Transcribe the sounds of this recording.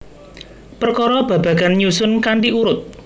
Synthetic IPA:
pərkɔɾɔb̥ä̤b̥ä̤ɡanɲusʊnkaɳʈiʔuɾʊt̪̚

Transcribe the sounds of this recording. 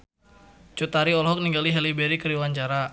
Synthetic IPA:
t͡ʃut̪aɾiɔlɦɔk̚niŋɡaliɦɛlibɛɾikəɾiwaɲt͡ʃaɾa

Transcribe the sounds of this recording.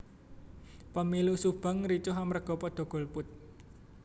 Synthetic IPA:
pəmilusub̥a̤ŋɾit͡ʃʊɦamərɡ̥ɔ̤pɔd̪̥ɔ̤ɡ̥ɔ̤lpʊt̪̚

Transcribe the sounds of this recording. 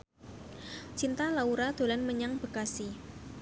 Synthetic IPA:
t͡ʃint̪alauɾad̪̥o̤lanməɲaŋb̥ə̤kasi

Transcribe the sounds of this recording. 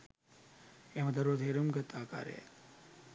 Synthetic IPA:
emɐd̪ɐɾot̪eɾumɡɐt̪ːaːka̰ːɾḛ

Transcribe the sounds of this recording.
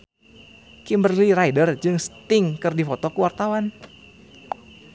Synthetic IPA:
kimbərliraidərd͡ʒɨŋst̪ɪŋkɨrdifɔt̪ɔkuwart̪awan

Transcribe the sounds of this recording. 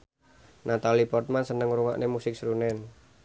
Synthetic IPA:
nat̪alipɔrt̪̚mansənəŋɾuŋa̰ʔnemusɪk̚sɾunɛn

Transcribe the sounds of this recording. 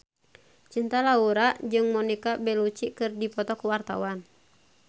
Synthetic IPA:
t͡ʃint̪alauɾaʔd͡ʒɨŋmɔnikabɛlut͡ʃikɨrdipɔt̪ɔkuwart̪a̰wan

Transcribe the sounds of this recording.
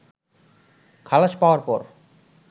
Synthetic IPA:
kʰalaʃpaoaɾpɔɾ

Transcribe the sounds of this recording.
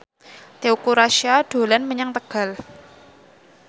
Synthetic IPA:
t̪eukuɾaʃiaɖ̥o̤lanməɲaŋt̪əɡ̥a̤l

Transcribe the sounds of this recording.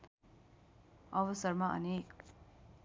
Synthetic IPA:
ʌbʌsʌɾmaʔʌ̰nek

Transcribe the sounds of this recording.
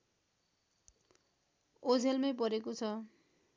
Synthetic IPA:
od͡zʱelmajp̬ʌɾekot͡sʰʌ

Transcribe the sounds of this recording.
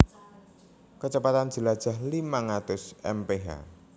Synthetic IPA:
kət͡ʃəpat̪andd͡ʒ̥ə̤lad̥ʒ̥a̤hlimaŋɾat̪ʊsʔɛ̰mpeɦa̰

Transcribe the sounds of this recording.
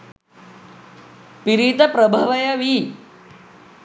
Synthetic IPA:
piɾit̪əpɾəbʱəʋəjəʋi

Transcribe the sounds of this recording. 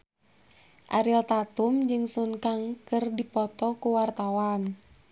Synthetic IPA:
ʔaɾilt̪at̪umd͡ʒɨŋsunkaŋkɨrdipɔt̪ɔkuwart̪awan

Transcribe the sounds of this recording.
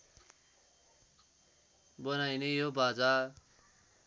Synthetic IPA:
bʌnajnejobad͡za

